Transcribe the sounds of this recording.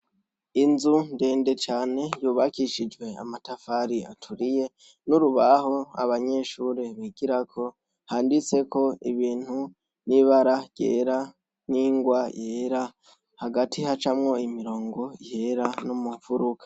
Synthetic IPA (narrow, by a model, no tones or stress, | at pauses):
inzunde̞ːnde̞t͡ʃaːne̞juːβakiʃid͡ʒwe̞a̰matafaɾiatʰuɾije̞ | nuɾuβaɦo̞a̰βaɲe̞ʃuɾeβiɡ̥iɾakʰo̞ | haːndit͡se̞ko̞iβiːn̥hu | niβaɾḁɟḛːɾa | niːŋɡwaheɾa | haɡatʰihat͡ʃamŋo̞imiɾo̞ːŋɡo̞ihe̞ɾanumufuɾukʰḁ